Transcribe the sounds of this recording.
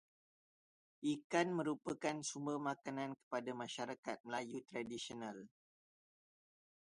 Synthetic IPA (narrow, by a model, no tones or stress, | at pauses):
ʔikanmə̃ɾupəkansumbəmakanãnkə̥padamãʃaɾakat̪̚məlajut̪ɾadisional